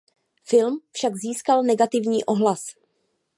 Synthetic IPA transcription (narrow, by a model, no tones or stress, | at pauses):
fɪlmfʃaɡziːskalnɛɡat̪ɪvɲiːʔo̞ɦlas